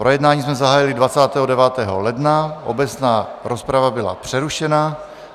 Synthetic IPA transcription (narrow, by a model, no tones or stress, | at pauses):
pɾojɛdnaːɲiːsmɛzaɦaːjɪlɪdvat͡saːt̪ɛːɦodɛvaːt̪ɛːɦolɛdnaʔo̰bɛt͡snaːɾospɾavabɪla̰pr̝̥ɛɾuʃɛna